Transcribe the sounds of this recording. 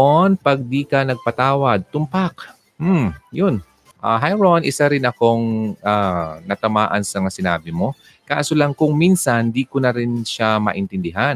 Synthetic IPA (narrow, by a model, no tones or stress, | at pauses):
onpɐɡ̚d̪ikɐnɐɡ̚pɐt̪aːwɐd̪̚t̪ʊmpak | m̩jʊn | ʔa̰ɦajɹonʔɪsaɾɪnɐko̞ŋanɐt̪ɐmaːʔɐnsɐmɐŋasɪnaːbɪmo̞ | ka̰ːsolɐŋkʊŋminsɐnd̪ikonɐɾɪnʃamɐ̰ʔɪnt̪ɪnd̪ɪɦan